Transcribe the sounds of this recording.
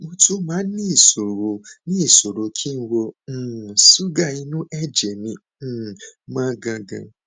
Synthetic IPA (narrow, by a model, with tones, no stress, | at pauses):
mo˧tu˦mãː˨˦nĩ˦i˦˨so˨ɾo˨nĩ˦i˦˨so˨ɾo˨kʰi˦n̩˦wõ˧˦˨ | su˦ɡa˦˨i˧nũ˦ʔɛ˦d͡ʒɛ˨mĩ˧˨ | mãː˦ɡã˧ɡã̰˧